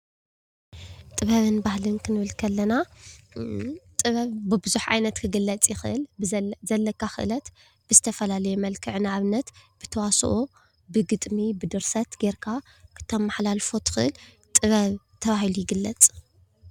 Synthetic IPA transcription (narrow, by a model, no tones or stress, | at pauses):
t̪ʼɨβɐβɨnbahlɨnkʰɨnɨβɨlkʰɐlːɐna | t̪ʼɨβɐβbɨbɨzuħʕa̰jnɐt̪kʰɨɡɨlːɐt͡sʼjɪxɨʔɨ̰lzɐlːɐkʰːaxɨ̰ʔɨlɐt̪ | b̥ɨzɨt̪ʰɐfɐlalɐjomɐlkʰɨʕɨnaʕaβɨnːɐt̪b̥ɨt̪ʰɐwasʔo | bɨɡɨt̪ʼmibɨd̪ɨɾsɐt̪ɡeɾkʰa | kʰɨ̥t̪ʰːɐmːaħlalfo̞t̪ʰɨ̥xɨʔɨl | t̪ʼɨβɐβ | t̪ʰɐβahilujɪɡɨlːɐt͡sʼ